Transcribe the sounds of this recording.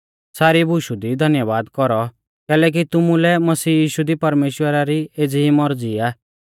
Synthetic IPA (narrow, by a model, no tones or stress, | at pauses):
saːɾibʱʊʃud̪id̪ʱɐnjəʋaːd̪kɔɾɔ | kɛːlɛk̬it̪ʊmulɛmɐsiːjiːʃud̪ipɐɾmeːʃwəɾaɾieːd͡zimɔɾd͡ziaː